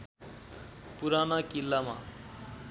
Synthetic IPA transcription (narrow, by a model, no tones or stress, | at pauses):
puɾanakilːama̰